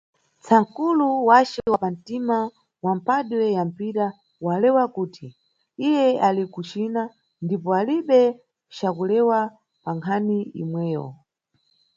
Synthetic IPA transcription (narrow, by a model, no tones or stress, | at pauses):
t͡sʰaŋkuluwat͡ʃɛwapan̩tima | wam̩paɗwɛjam̩piɾa | walɛwakuːti | ijɛalikut͡ʃina | ndipɔaliɓɛ | t͡ʃakulɛwa | paŋkʰaniḭmwɛːjɔ̰